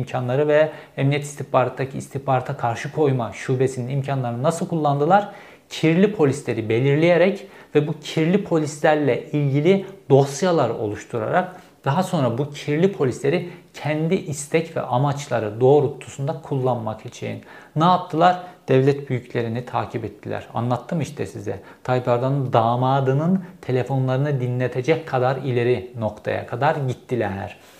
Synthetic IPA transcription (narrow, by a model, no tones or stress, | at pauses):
mcʰanlˠaɾɯvɛɛmnijɛt̪ist̪ihpaɾat̪ːd̪acʰiːst̪ʰihpaɾat̪ʰakʰaɾʃɯkʰo̞jmaʃuːbesininimcʰanlˠaɾɯnasɯlˠkʰulˠːand̪ɯlˠaɾ̥ | cʰiɾlʲipʰo̞lʲislʲe̞ɾibe̞lʲiɾlʲijeɾɛcvɛbucʰiɾlʲipʰo̞lʲislʲæɾlʲɛilʲɟilʲid̪̥o̞sjalˠaɾo̞̰lˠuʃt̪ʰuɾa̰ɾak̚ | d̪̥aɦaso̞nɾabucʰiɾlʲipʰo̞lʲislʲe̞ɾicʰɛnd̪iʔist̪ʰɛcvɛ̰ʔamat͡ʃlˠaɾɯd̪o̞ːɾut̪ʰːu̥sund̪akʰulˠːanmakʰit͡ʃʰḛjḭnːɛatt̪ʰːɯlˠaɾd̪̥ɛvlʲɛt̪byjycʰlʲe̞ɾinit̪ʰa̰ːcʰibɛt̪ʰːilʲæ̰ɾa̰nlˠat̪ʰːɯmiʃt̪ʰɛsizɛ̰ | t̪ʰajbaɾd̪and̪aːmaːd̪ɯnɯnt̪ʰe̞lʲefo̞nlˠaɾɯnɯd̪inlʲet̪ʰed͡ʒɛckʰːad̪aɾilʲe̞ɾino̞kt̪ʰa̰ja̰kʰad̪aɾɟit̪ʰːilʲæɾ̥